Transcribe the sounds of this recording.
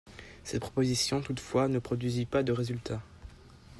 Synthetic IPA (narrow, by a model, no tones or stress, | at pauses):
sɛt̪̚pχɔpozisjɔ̃t̪ut̪fwanəpχɔd̪ɥizipad̪əʁezylt̪a